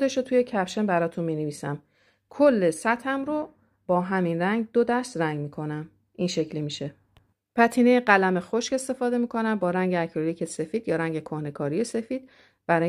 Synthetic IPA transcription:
d̪e̞ʃot̪ʰuje̞cʰæpʃe̞mbæɾɒːt̪ʰunmineviːsæm | kʰolːe̞sæt̪ʰæmɾo | b̥ɒːɦæminræŋɡd̪od̪æɾst̪ræŋɡmiːkʰo̞næm | ʔinʃe̞cʰlimiʃe̞ | pʰæt̪ʰiːne̞jeɢælæme̞xoʃce̞st̪e̞fɒːd̪e̞miːkʰo̞næmbɒːɾæŋɟeæcʰɾoliːcʰe̞se̞fiːd̪jɒːɾæŋɟe̞kʰohne̞kʰɒːɾije̞se̞fiːd̪̥̚ | b̥æɾɒː

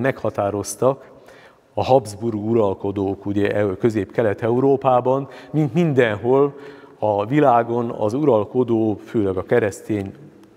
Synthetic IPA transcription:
mɛkhɒt̪aːɾo̞st̪ɒk | ɒɦɒbzburɡuɾɒlko̞d̪oːkuɟɛʔkø̞zeːpkɛlɛt̪ɛuɾoːpaːbɒnmint̪mind̪ɛnɦo̞lɒvilaːɡo̞nɒ̰zuɾɒlko̞d̪oːføːlɛɡɒkɛɾɛst̪eːɲ

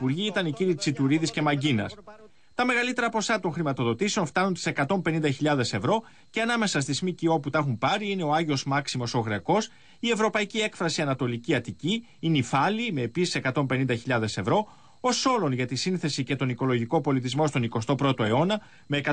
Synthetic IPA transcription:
ipuɾʝiit̪ɐniciɾit͡sit̪uɾiðisce̞mɐɟinɐ̰s | t̪ɐme̞ɣɐlit̪e̞ɾɐpo̞sɐt̪o̞ŋxɾimɐt̪o̞ðo̞t̪ise̞onft̪ɐnunt̪i̥se̞kɐt̪o̞mpe̞nind̪ɐçiʎɐðe̞se̞vɾo̞ | ce̞ɐnɐme̞sɐs̬t̪izmicio̞put̪ɐxumpɐɾiine̞o̞ɐʝio̞zmɐksimo̞so̞ɣɾe̞ko̞s | ie̞vɾo̞pɐicie̞kfɾɐsiɐnɐt̪o̞liciɐt̪ici | inifɐlime̞ːpisi̥se̞kɐt̪o̞mpe̞nind̪ɐçiʎɐðe̞se̞vɾo̞ | o̞so̞lo̞nʝɐt̪isinθe̞sice̞t̪o̞niko̞lo̞ʝiko̞po̞lit̪izmo̞st̪o̞niko̞st̪o̞pɾo̞t̪o̞e̞o̞nɐ | me̞ːkɐ

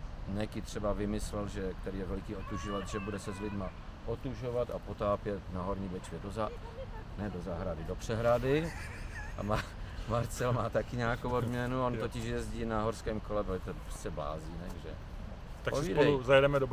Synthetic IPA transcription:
nɛkɪt̪r̝̥ɛbavɪmɪslɛlʒɛk̚t̪ɛɾiːjɛvɛlɪkiːot̪uʒovat̪ʒɛbudɛsɛzlɪdma | ʔot̪uʒovat̪apo̞t̪aːpjɛt̪naɦoɾɲiːbɛt͡ʃvjɛdozanɛdozaːɦɾadɪdopr̝̥ɛɦɾadɪ | a̰maːmaɾt͡sɛlmaːt̪akɪɲaːkowod̪mɲɛnuont̪ocɪʃjɛzɟiːnaɦoɾskɛːmkolɛboɛt̪oprɛ̥t͡sɛbla̰ːziːnɛ̰ɡʒɛ̰ | t̪akoviːdɛuzajɛdɛmɛdo

